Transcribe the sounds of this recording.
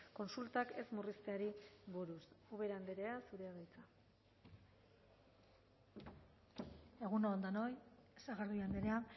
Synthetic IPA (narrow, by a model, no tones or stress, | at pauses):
ko̞nsult̪ake̞zmurist̪eaɾiβuɾusuβe̞ɾand̪eɾe̞asuɾeaɣajt͡sa | e̞ɣ̞unoːnd̪ano̞jesaɣeɾðuand̪eɾe̞a